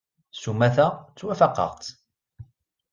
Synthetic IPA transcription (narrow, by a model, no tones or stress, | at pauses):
sumæθæt͡sːwæfɑqːə̰ʁt̪